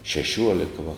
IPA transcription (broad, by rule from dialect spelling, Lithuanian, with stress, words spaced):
ʃʲɛˈʃʲuɔlʲɛkɐ ʋɐ